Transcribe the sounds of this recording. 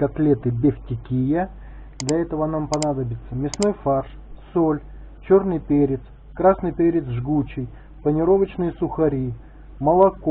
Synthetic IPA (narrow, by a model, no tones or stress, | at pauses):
kɐt̪lʲet̪ɨbʲefʲtʲɪkʲijə | d̪lʲɐɛt̪əvənampɐnad̪əbʲɪt̪sːəmʲɪsno̞jfarʂ | solʲ | t͡ɕo̞rnɨjpʲeɾʲɪt̪s | kɾasnɨjpʲeɾʲɪt̪sʐɡut͡ɕɪj | pənʲɪɾo̞vət͡ɕnɨjəsʊxɐɾʲi | məlˠɐko